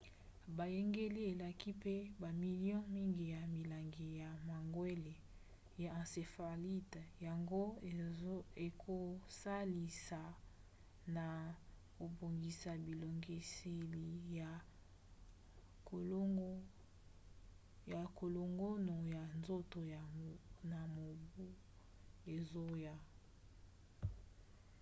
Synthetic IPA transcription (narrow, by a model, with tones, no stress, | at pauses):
ba˨je˦ŋɡe˦li˦e˨la˨ki˦pe˦ba˨mi˨ljɔ̃˦mi˦ŋɡi˨ja˨mi˨la˨ŋɡi˨ja˨ma˨ŋɡwe˦le˨ | ja˨ã˨se˨fa˨li˦tja˨ŋɡo˦ | e˨kʰo˨sa˦li˨sa˨ | na˨ | ko˨bo˨ŋɡi˨sa˨bi˨lo˨ŋɡe˨se˨li˨a˨˦ | ja˨ko˨lo˨ŋɡo˦no˨ja˨nzo˦to˨ja˨na˨mo˨bu˦ | e˨zo˦ja˦